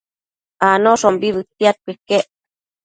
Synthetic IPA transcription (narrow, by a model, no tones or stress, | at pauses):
anoʂombiβɨt̪ːiat̪̚kekeʔ